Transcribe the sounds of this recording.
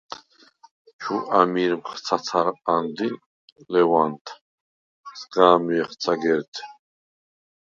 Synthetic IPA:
t͡ʃʰuʔamiɾmχt͡s̪ʰaaɾand̪i | lɛvant̪ʰ | sɡaːmiɛχt͡s̪ʰaɡɛɾt̪ʰ

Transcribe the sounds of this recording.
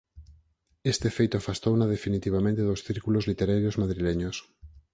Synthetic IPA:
est̪efejt̪oafast̪ownað̞efinit̪iβamẽnt̪eðosθiɾkulozlit̪eɾaɾjozmaðɾileɲos

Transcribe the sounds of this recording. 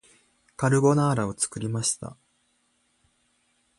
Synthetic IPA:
kaɾɯ̟ɡo̞naːɾao̞t͡sɨ̥kɯ̟ɾʲimaɕi̥t̪a̰

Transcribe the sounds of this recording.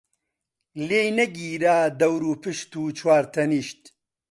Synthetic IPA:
leːjnɐɡiːɾaːd̪ɐwɾuːpɨʃt̪uːt͡ʃʰwaːɾt̪ʰɐniːʃt̪

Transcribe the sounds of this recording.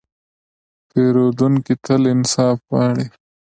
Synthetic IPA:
peːɾoːd̪uŋkit̪ʰəlɪnsɑːfwɑːɽi

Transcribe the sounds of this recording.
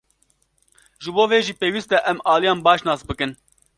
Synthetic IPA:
ʒɨboːveːʒiːpeːwiːst̪ɛʔɛmɑːlijɑːnbɑːʃnɑːsbɨkɨn

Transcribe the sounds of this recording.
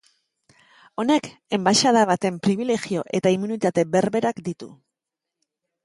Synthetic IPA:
o̞ne̞k | e̞mbaʃað̞aβat̪e̞mpɾiβ̞ile̞ɣio̞ʔe̞t̪aimunit̪at̪e̞be̞ɾβe̞ɾakd̪it̪ṵ

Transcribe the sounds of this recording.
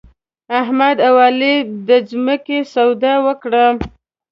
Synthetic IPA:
aɦmad̪awɑlid̪əzməkesawd̪awəkɽa

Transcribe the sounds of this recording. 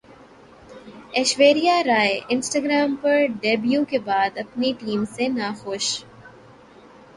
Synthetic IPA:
eːʃʋeːɾijaɾaːeʔɪ̃nsʈaːɡɾaːmpɐɾɖeːbjukebaːd̪ɐpniʈiːmsenaːxoːʃ

